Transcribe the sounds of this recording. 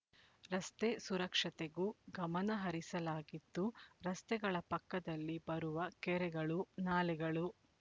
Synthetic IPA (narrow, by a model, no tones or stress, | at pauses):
ɾɐst̪esuɾɐkʂɐt̪eɡuːɡɐmɐnɐɦɐɾisɐlaːɡid̪ːuɾɐst̪ɛɡɐɭɐpɐkːɐd̪ɐlːibɐɾuʋɐkɛɾɛɡɐɭunaːlɛɡɐɭu